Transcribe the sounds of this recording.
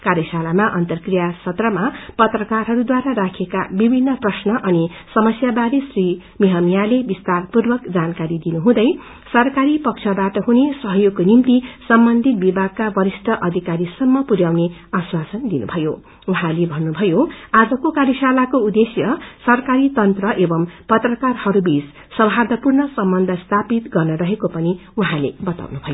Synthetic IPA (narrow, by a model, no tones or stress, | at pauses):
kaɾjʌsalamaʔʌnt̪ʌrkrijasʰʌt̪rʌmapʌt̪rʌkarɦʌɾud̪waɾaɾakʰeka̰bibʱinːʌprʌsnʌʔʌni | sʌmʌsjabaɾesri | miɦʌmjalebist̪arpurbʌkd͡zankaɾid̪inuɦũd̪ʌj | sʌrkaɾipʌk̚t͡ʃʰʌbaʈʌɦunesʌɦjoɡ̚konimt̪isʌmbʌnd̪ʱit̪̚bibʱaɡ̚kabʌɾisʈ̪ʰʌʔʌd̪ʱikaɾisʌmːʌpuɾjawneaswasʌnd̪inṵbʱʌjo | uɦãlebʱʌnːubʱʌjoad͡zʌkokaɾjʌsalakoud̪esjʌsʌrkaɾit̪ʌnt̪rʌʔebʌmpʌt̪rʌkarhʌɾubis | sʌbʱɦad̪ʱʌpurnʌsʌmbʌnd̪ʱʌst̪ʰapit̪ɡʌrnʌɾʌɦekopʌniuɦãlebʌt̪a̰wnubʱʌjo